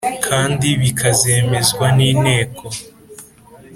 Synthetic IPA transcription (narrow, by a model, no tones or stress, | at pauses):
kʰaːndiβikʰazeːme̞zɡwaniːne̞ːkʰo̞